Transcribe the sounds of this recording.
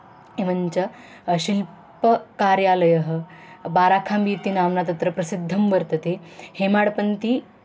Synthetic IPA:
eʋənt͡ɕə | ɕil | pəkaɾjaləjəɦbaɾakʰambiːt̪iːnaʋnat̪ɐt̪ɾəpɾɐsid̪ʱːəmʋəɾt̪ət̪ehemaɽpənt̪iː

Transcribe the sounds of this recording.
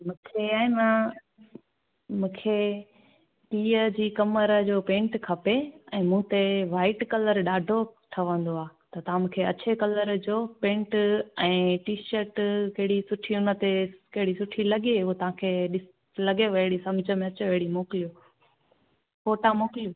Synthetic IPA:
mũːkʰeaːɪmã | mũːkʰe | piːəd͡ʑiːkɐməɾəd͡ʑoːpẽːɳʈkʰɐpeɛ̃ːmũt̪eʋaːɪʈkɐləɾɗaːɖʱoʈʰɐʋə̃nd̪oaːt̪ɐt̪ɐʋ̤ãmũːkʰeɐt͡ɕekɐləɾd͡ʑoːpẽːɳʈɛ̃ːʈiːʃəɾʈkɐɦɪɽisʊʈʰiʊnə̆t̪ekɐɦɪɽisʊʈʰilɐɠeot̪ɐʋ̤ãkʰeːɗɪs | lɐɡeʋɐɽisɐ̃md͡ʑʱə̆mẽɐt͡ɕeʋɐɦɪɽimoːkɪlijũː | foːʈamoːkɪlijũː

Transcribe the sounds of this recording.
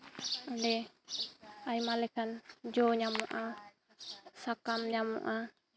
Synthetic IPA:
ndɛ | ajmalekand͡ʒoɲamuʔa | sakamɲamṵʔa

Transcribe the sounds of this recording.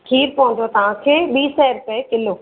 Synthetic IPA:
kʰiːɾpɐɦʊ̃ɲd͡ʑot̪ɐʋ̤ãkʰeːɓiːsɛɾʊpɛkɪloː

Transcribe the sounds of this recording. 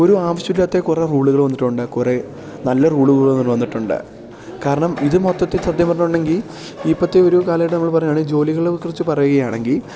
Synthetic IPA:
o̞ɾuaːʋɐɕɐuilɐt̪ːekure̞ruːɭuɣɐɭʋɐnːiʈːuɳɖɨkure̞ | nɐlːɐruːɭuɣɐɐɭonːinʋɐnːiʈːuɳɖɨ̰ | kaːɾɐɳɐmiðɨmot̪ːɐt̪ːisrɐd̪jɐmɐɾɐnuɳɖe̞ŋɡil | ipːɐt̪ːeoɾukaːlɐjʈːɨnɐmːɐɭpɐrɐjːaːɳɨd͡ʑo̞ːliɣɐɭkːurɨt͡ɕːɨpɐrɐjuɣɐjaːɳe̞ŋɡil

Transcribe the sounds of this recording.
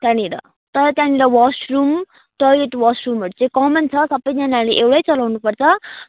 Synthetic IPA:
t̪jãniɾʌ̰ | t̪ʌɾʌt̪jãniɾʌwʌsrum | ʈʌeʈwasrumoɽut͡sãĩkʌmʌnt͡sʰʌsʌbːʌjd͡zanaleʔewɽʌjt͡sʌlawnupʌrt͡sʰʌ

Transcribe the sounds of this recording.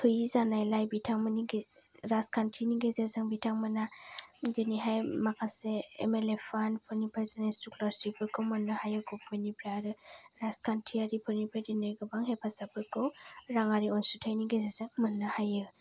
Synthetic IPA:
tʰɯjizanajlajbitʰaŋmɯniɡeɾaskʰantʰiniɡezezaŋbitʰaŋmɯnadɯniɦajmakʰaseḛmelepʰanpʰɯnipʰajzanajsuklɔɾsipɯkʰɯwmɯnːɯhajɯɡɔpʰɯnipʰɾaɾɯɾaskʰantʰiaɾipʰɯnipʰadinajɡɯbaŋɦepʰasapɯkɯwɾaŋaɾiɔnsutʰajniɡezezaŋmɯnːɯhajɯ

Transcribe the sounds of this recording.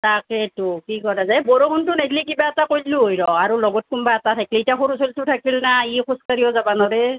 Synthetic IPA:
taketukikɔtazaɛbɔɹokʰɔntunakʰlikibaɛtakojlluɦojɹɔaɹulɔɡɔt̚kumbaatatʰakileitiaxoɾusoltʊtʰakilnaixuskaɹijɔzabanɔɾe

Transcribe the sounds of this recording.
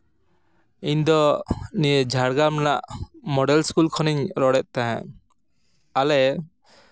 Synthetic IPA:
iɲd̪ɔnijəd͡ʒʱaɾɡamnaʔmɔɖɛlskulkʰɔniɲɾɔɽɛʔ̪̚t̪aɦɛ̃ | alɛ

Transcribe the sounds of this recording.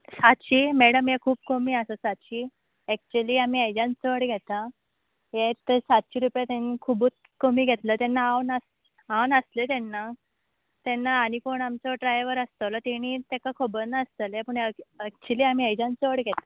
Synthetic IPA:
sat̪ɕiːmɛɽəmɦekʰuːbkomiːəsəsat̪ɕiː | ɛk̚t͡ɕuəliːam̤iːajd͡ʑãnt͡sʋəɽɡʱɛt̪a | ɦet̪əsat̪ɕiːɾupjat̪enikʰubuːt͡s | komiːɡʱɛt̪lət̪ɛnːaawnəs | awnəslet̪ɛnːa | t̪ɛnːaːñikoɳamt͡sɔʈɾajʋəɾəst̪əʋlɔt̪eɽ̃iːt̪ekakʰobənəst̪əlepəɳəək̚t͡ɕuliam̤iajd͡ʑãnt͡səʋəɽɡʱɛt̪a

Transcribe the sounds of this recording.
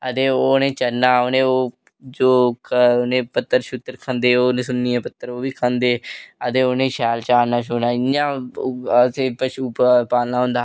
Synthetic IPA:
ət̪eːoːnẽːt͡ʃənaːoːnẽːoː | d͡ʒoːkʰːnẽːpət̪ːəɾʃʊt̪ːəɾkʰə̃nd̪eːoːnẽːsʊnːiːɛ̃ːpət̪ːəɾoːʋiːkʰə̃nd̪eːət̪eːoːnẽːʃɛːlt͡ʃaːnãːʃ̬oːnãːɪãːəteːpəʃuːppaːlnaːɦõnd̪aː

